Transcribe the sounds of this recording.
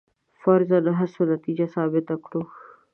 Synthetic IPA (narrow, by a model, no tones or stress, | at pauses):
fɐɾzad̪əɦasonat̪id͡ʒasɑːbɪt̪akɽox